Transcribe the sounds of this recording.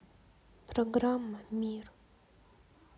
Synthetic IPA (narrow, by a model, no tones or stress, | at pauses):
proɡramːamʲir